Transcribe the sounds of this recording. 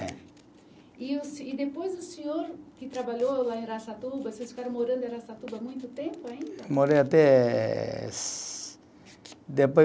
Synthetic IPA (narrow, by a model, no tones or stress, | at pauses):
ɛ̰̃ | iʊsɪd̪epojzʊsẽɲoɾkɪt̪ɾabaʎolaẽɾasat̪ubɐsesfi̥kaɾɐ̃w̃moɾɐ̃nd̪ʊaɾasat̪ubɐmũj̃t̪ʊt̪ẽmpʊaĩmoɾejat̪ɛ | d̪epo